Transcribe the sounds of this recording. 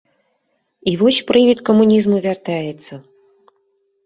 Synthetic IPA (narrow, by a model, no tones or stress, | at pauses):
ivɔsʲpɾɨvʲit̪kɐmunʲizmuvʲart̪ajɛt̪sːɐ